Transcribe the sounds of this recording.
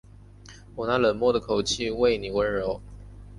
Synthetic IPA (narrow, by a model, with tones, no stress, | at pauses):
wɔ˨˩na˥˩lə˨˩nmwɔ˥˩d̪ə˨˩kʰo˨˩ʊt͡ɕʰi˥˧we˥˩ɪni˨˩wə˧˥nɻo˧˥ʊ